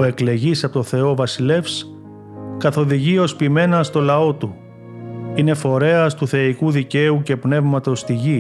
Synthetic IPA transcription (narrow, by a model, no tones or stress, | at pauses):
oe̞kle̞ʝisɐpot̪oθe̞o̞vɐsile̞fs | kɐθo̞ðiʝio̞spime̞nɐst̪o̞lɐo̞t̪u | ine̞fo̞ɾe̞ɐst̪uθe̞ikuðice̞uce̞pne̞vmɐt̪o̞st̪iʝi